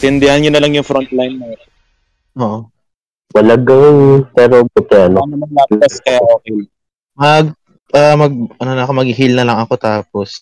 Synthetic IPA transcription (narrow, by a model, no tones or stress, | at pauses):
t̪ɪnd̪ɪhanɲʊnɐlɐŋjʊŋfɾont̪̚lajnːoɾ | ʔoːʔo | mɐlɐɡaŋpɛːɾobʊt̪ɛʔɐnonɐmɐnlaːpɐskɐjaʔoːkɛjla | mɐɡ̚ | ʔamɐɡ̚ʔɐnonɐko̞mɐɡɪɦilnɐlɐŋɐko̞t̪aːpo̞s